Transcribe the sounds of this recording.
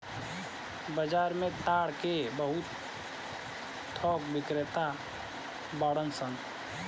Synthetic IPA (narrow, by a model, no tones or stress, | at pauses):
bəd͡ʒaːɾmẽt̪aːɽkebəɦʊt̪ | tʰːɔːkbɪkɾɪt̪a | baːɽənsən